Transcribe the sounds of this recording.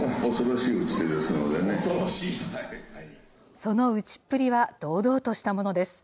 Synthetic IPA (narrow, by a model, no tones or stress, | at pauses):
osoɾoɕiːɯt͡ɕi̥t̪ed̪esɨno̰d̪ene | so̞no̞ɯ̟t͡ɕi̥pːɯ̟ɾʲiβad̪̥o̞ːd̪o̞ːt̪o̞ɕi̥t̪amo̞no̞d̪e̞sɨ̥